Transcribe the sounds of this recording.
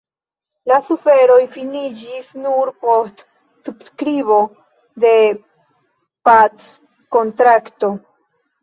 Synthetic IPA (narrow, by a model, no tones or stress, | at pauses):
lasufe̞ɾo̞jfinid͡ʒisnuɾpo̞st | subskɾiβo̞ | de̞ | pat͡s | ko̞ntɾakto̞